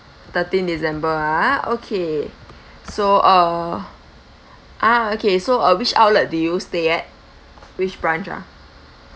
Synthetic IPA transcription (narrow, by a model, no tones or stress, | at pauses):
t̪ətĩndizɛ̃mbəao̰kʰe | soʔə | ʔaokʰesoəwit͡ʃa̰wlət̚dujusteɛt̚ | wit͡ʃbɹãnt͡ʃa̰